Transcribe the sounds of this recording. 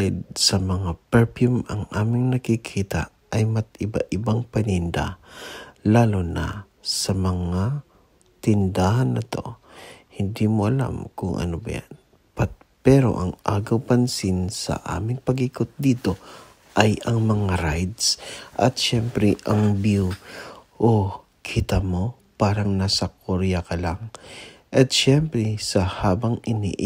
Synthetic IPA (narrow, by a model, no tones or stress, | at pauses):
ɪd̪̚sɐmɐŋapɛɹpjumɐŋʔaːmɪŋnɐkɪkʰiːt̪a̰ | ʔɐjmɐt̪̚ɪbaʔɪbaŋpɐnɪnd̪a̰ | laːlonɐ̰ | sɐmɐŋa | t̪ɪnd̪ahɐnːɐt̪o̞̰hɪnd̪imoʔɐla̰mkʊŋʔɐ̰nobɐ̰ja̰n | pat̪ | pɛːɾo̞̰ʔɐŋʔaːɡɐwpɐnsinsɐ̰ʔa̰ːmɪŋpɐɡɪkot̪̚d̪iːt̪o̞ | ʔɐjɐŋmɐŋaɾajd̪sʔɐ̰t̪̚ʃɛmpɾɛʔɐŋbjuʔo | kʰit̪ɐmo̞ | paːɾɐŋnaːsɐkʰoɾjakɐlaŋʔɐt̪̚ʃɛmpɾɛsɐhaːbɐŋɪnḭʔ